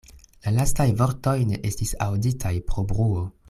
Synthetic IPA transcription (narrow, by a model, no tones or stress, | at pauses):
lalastajvo̞ɾto̞jneʔestisawditʰajpɾo̞bʁuo